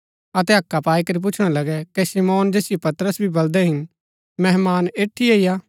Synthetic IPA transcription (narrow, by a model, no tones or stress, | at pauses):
ɐt̪ɛɦɐkːapaːikɐɾip̬ʊt͡ʃʰɽ̃ãlɐɡɛkesimoːnd͡ʒeːsɪjopɐt̪əɾəsbʱibɐld̪ɛɦɪn | mɛɦmaːneːʈʰːieːijaː